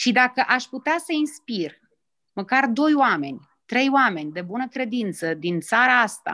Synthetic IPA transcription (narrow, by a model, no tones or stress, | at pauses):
ʃid̪akəʔaʃʲput̪easəinspir | məkard̪o̞joame̞nʲ | t̪ɾe̞joame̞nʲd̪e̞bunəkɾe̞d̪int̪səd̪int̪saɾaast̪a̰